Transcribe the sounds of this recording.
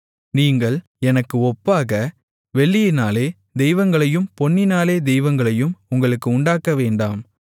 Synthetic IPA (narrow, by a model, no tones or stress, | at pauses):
niːŋɡɐɭ | ɛnɐkːɯɔpːaːɣɐ | ʋɛɭːɪjɪnaːleː | d̪ɛjʋɐŋɡɐɭɐjɯmpɔnːɪnaːleːd̪ɛjʋɐŋɡɐɭɐjɯmʊŋɡɐɭɯkːɯʊɳɖaːkːɐʋeːɳɖaːm